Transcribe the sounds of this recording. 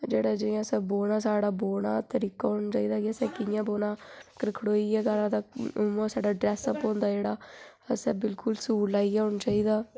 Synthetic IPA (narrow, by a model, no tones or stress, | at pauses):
d͡ʒeːɽaːd͡ʒəjãːsɛ̃ːboːnaːsaːɽaːboːnaːt̪əɾiːkaːɦoːɳaːt͡ʃaːiːd̪aːkɪəsɛ̃ːkɪjãːboːnãːkəɾɪkʰɽoːiːɛːkaɾãːd̪aːmãːsaːɖaːɖɾɛːsəpɔ̃ːnd̪aːd͡ʒeːɽaː | əsɛ̃ːbɪlkʊlsuːɽlaːiːaɦõɳat͡ʃaːiːd̪aː